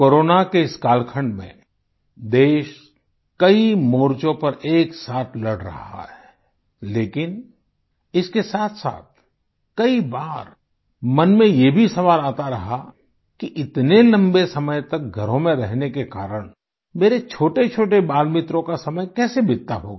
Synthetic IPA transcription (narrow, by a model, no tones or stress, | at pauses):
koːɾoːnakeɪskaːlkʰəɳɖmḛ̃ | d̪eːʃ | kɐimoːɾt͡ʃõpɐɾeːksaːt̪ʰlɐɽɾɐ̰ɦa̰ɦɛɛ | leːkɪn | ɪskesaːt̪ʰsa̰ːt̪̚ʰ | kɐibaːɾ | mɐnmẽjebʱisɐʋaːlaːt̪aɾɐɦa | kiʔɪt̪nelɐ̃mbesɐməjt̪ɐk̚ɡʱɐɾõmẽɾɛɦnekekaːɾəɽ̃ | meːɾet͡ʃʰoːʈet͡ʃʰoːʈebaːlmɪt̪ɾõkasɐməjkɛːsebɪɾt̪ːaɦo̰ɡaː